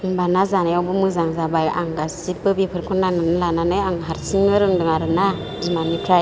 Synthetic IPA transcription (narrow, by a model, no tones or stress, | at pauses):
ŋbanazanajawbɯmɯzaŋzabaja̰ŋɡasipɯbipʰɯɾkʰɔnnananalananɯjaŋɦaɾsiŋɯɾɯŋdɯŋaɾɯna | dimamitʰɾa